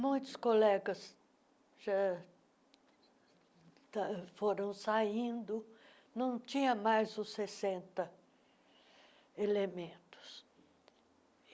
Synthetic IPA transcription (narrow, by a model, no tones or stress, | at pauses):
mũj̃t̪ʊskolɛɡɐs | ʒa | t̪afoɾɐ̃w̃saĩnd̪ʊ | nɐ̃w̃t͡ʃĩɲɐ̃majzʊsesẽnt̪ɐ | elemẽnt̪ʊ̥s